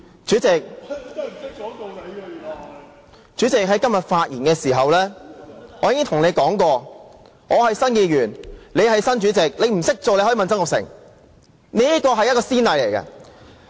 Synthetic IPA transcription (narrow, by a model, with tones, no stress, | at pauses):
t͡ʃyː˨˥t͡sɪ˨k̚ | t͡ʃyː˨˥t͡sɪ˨k̚ɦɐ˨˥jkɐ˥mjɐ˨t̚faː˧t̚jiː˨˩nkɛː˧siː˨˩ɦɐ˨wlɛː˥ | ɔː˨˧jiː˧˥kɪ˥ŋt̪ʰʊ˨˩ŋne˨˧jkɔː˨˥ŋkɔː˧ | ŋɔː˨˧hɐ˨jsɐ˥njiː˧ɥyː˨˩nle˨˧jhɐ˨jsɐ˥nt͡ʃyː˨˥t͡sɪ˨k̚le˨˧jm̩˨˩sɪ˥k̚t͡soː˨˧e˧jhmɐ˨nt͡sɐ˥ŋʊ˨˩sɪ̰˨˩ŋ | ni˥jɐ˥t̚kɔː˧ɦɐ˨jɐ˥t̚kɔː˧siː˥nt̪ɐ˨˧jle˨˩jkɐ̰˧